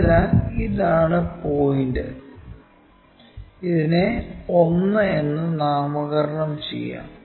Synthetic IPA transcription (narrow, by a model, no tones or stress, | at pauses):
lːɐiðaːɳɨpo̞ːjiɳdɨ | iðineo̞nːɨe̞nːɨnaːmɐɣɐɾɐɳɐmt͡ɕḛjːa̰ːm